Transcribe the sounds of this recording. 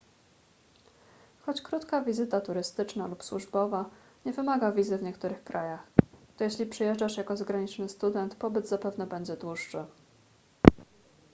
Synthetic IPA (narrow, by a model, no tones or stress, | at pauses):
xɔt͡ɕkɾut̪kavʲizɘt̪at̪uɾɘst̪ɘt͡ʂnalupswuʐbɔva | ɲɛvɘmaɡavʲizɘvɲɛkt̪uɾɘxkɾʔajaxt̪ɔjɛɕlʲipʂɘjɛʐd͡ʐaʂjakɔzaɡɾaɲit͡ʂnɘst̪ud̪ɛnt̪pɔbɘd̪zapɛvn̪ɛbɛɲd͡ʑɛd̪wuʂːɘ